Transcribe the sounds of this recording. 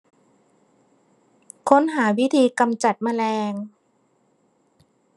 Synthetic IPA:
kʰo˦˥nɦaː˩˦wi˦˥t̪ʰiː˧ka˧mt͡ɕa˨˩t̪̚maː˧lɛː˧ŋ

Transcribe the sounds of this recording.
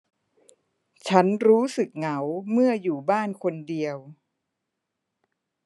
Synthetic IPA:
t͡ɕʰa˦˥nɾuː˦˥sɯ˨˩k̚ŋa˩˦wmɯ˥˩ɐjuː˨˩baː˥˩nkʰo˧ndi˧əw

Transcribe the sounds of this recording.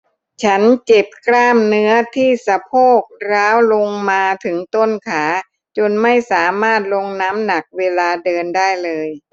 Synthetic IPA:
t͡ɕʰa˦˥nt͡ɕe˨˩p̚kʰlaː˥˩mnɯ˦˥ɐt̪ʰiː˥˩sa˧pʰoː˥˩k̚ɾaː˦˥wlo˧ŋmaː˧t̪ʰɯ˩˦ŋt̪o˥˩nkʰaː˩˦ | t͡ɕo˧nma˥˩jsaː˩˦maː˥˩t̪̚lo˧ŋnaː˦˥mna˨˩k̚weː˧laː˧dɤː˧ndaː˥˩jlɤː˧j

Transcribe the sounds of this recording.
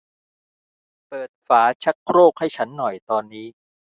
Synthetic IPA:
pɤː˨˩t̪̚faː˩˦t͡ɕʰa˦˥k̚ʰɾoː˥˩k̚ha˥˩jt͡ɕʰa˦˥nːɔ˨˩jt̪ɔː˧nːiː˦˥

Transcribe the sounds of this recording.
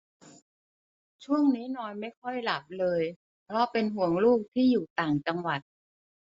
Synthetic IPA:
t͡ɕʰu˥˩əŋniː˦˥nɔː˧nma˥˩jkʰɔ˥˩jla˨˩p̚lɤː˧j | pʰɾɔ˦˥pe˧nɦu˩˦əŋluː˥˩k̚t̪ʰiː˥˩juː˨˩t̪aː˨˩ŋt͡ɕa˧ŋwa˨˩t̪̚

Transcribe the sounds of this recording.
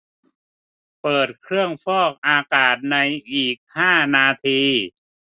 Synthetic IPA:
pɤː˨˩t̪̚kʰɾɯ˥˩əŋfɔː˥˩k̚ʔaː˧kaː˨˩t̪̚na˧jʔiː˨˩k̚haː˥˩naː˧t̪ʰiː˧

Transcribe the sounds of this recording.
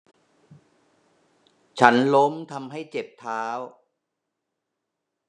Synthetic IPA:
t͡ɕʰa˦˥nlo˦˥mt̪ʰa˧mɦa˥˩jt͡ɕe˨˩p̚t̪ʰaː˦˥w

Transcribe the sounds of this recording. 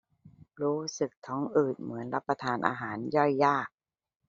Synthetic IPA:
ɾuː˦˥sɯ˨˩k̚t̪ʰɔː˩˦ŋʔɯː˨˩t̪̚mɯ˩˦ənɾa˦˥pːa˧t̪ʰaː˧nʔa̰ː˧ɦaː˩˦njɔ˥˩jːaː˥˩k̚

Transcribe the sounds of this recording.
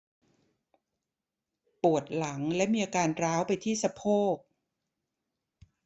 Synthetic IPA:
pu˨˩ət̪̚la˩˦ŋlɛ˦˥miː˧ʔaː˧kaː˧nɾaː˦˥wpa˧jt̪ʰiː˥˩sa˧pʰoː˥˩k̚

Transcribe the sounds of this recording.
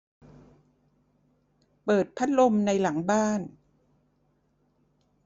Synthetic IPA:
pɤː˨˩t̪̚pʰa˦˥t̪̚lo˧mna˧jla˩˦ŋbaː˥˩n

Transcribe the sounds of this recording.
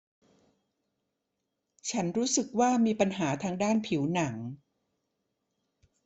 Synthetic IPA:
t͡ɕʰa˦˥nɾuː˦˥sɯ˨˩k̚waː˥˩miː˧pa˧nɦaː˩˦t̪ʰaː˧ŋdaː˥˩npʰi˩˦wna˩˦ŋ

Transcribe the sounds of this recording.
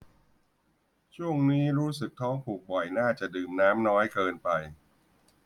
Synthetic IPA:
t͡ɕʰu˥˩əŋniː˦˥ɾuː˦˥sɯ˨˩k̚t̪ʰɔː˦˥ŋpʰuː˨˩k̚bɔ˨˩jnaː˥˩t͡ɕa˨˩dɯː˨˩mnaː˦˥mnɔː˦˥jkɤː˧npa˧j

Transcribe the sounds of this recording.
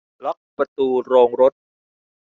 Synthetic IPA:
lɔ˦˥k̚pɾa˧t̪uː˧ɾoː˧ŋɾo˦˥t̪̚

